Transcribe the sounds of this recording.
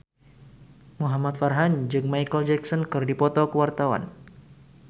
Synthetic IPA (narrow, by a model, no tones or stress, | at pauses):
muɦamat̪̚farɦand͡ʒɨŋmajkəld͡ʒɛksɔnkɨrdipɔt̪ɔkəwart̪awa̰n